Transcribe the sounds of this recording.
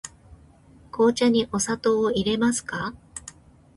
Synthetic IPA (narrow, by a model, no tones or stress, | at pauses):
kʰo̞ːt͡ɕaɲ̟iʔo̞sat̪o̞ːiɾe̞masɨ̥ka